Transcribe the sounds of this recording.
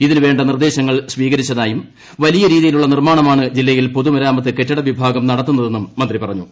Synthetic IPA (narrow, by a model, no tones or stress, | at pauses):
iðinɨʋe̞ːɳɖɐnird̪e̞ːɕɐŋːɐɭsʋiːɣɐɾit͡ɕːɐðaːjum | ʋɐlijɐɾiːðijiluɭːɐnirmaːɳɐmaːɳɨd͡ʑilːɐjilpo̞ðumɐɾaːmɐt̪̬ːɨke̞tːɐɽɐʋibʱaːɡɐmnɐɽɐt̪ːunːɐðe̞nːummːɐnd̪ripɐrɐɲːu